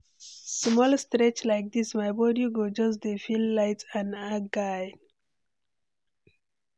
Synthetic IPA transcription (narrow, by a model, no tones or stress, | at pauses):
smɔlstɾet͡ʃlaɪk̚d̪ismaɪbɔɖjuɡod͡ʒʌs̬d̪efilːaɪtsãnaɡaɪ